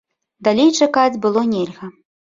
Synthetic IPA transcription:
d̪alʲejt͡ʂakad͡zʲbɨlˠɔnʲelʲɣɐ

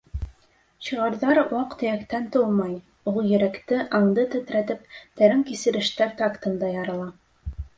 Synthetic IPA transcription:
ɕɤ̆ʁɑɾðɑɾwɑqt̪ɘ̆jækt̪ænt̪olˠmɑj | ulˠjɘ̆ɾækt̪ɘʔɑɴd̪ɤt̪ɵ̆t̪ɾæt̪ɘp̚t̪æ̆ɾæŋkisɘ̆ɾɘ̆ʃt̪æɾt̪ɑkt̪ɤ̆nd̪ɑjɑɾɤ̆lˠɑ

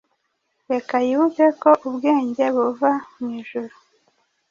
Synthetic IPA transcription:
βekajiβuɟeko̞ʔubɡe̞ːɲɟe̞βuvamŋwiːʒuɾu

